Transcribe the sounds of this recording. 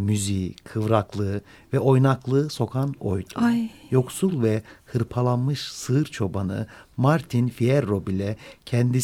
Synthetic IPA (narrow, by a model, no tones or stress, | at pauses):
myzikʰɯvɾaklˠɯ | vɛʔo̞jnaklˠɯso̞kʰano̞̰jd̪ujo̞ksulˠvɛhɯɾpʰalˠanmɯʃsɯɯɾt͡ʃʰo̞banɯ̰maɾt̪ʰinfijɛɾːo̞bilʲɛcʰɛnd̪i